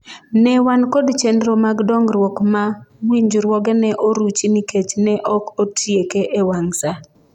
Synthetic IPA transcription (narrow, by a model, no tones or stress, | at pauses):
nɛwankodt͡ʃendɾomaɡdɔŋɾwɔkmawiɲd͡ʒɾwɔɡɛnɛʔoɾut͡ʃiniket͡ʃnɛʔɔkotʰjekeʔewaŋsa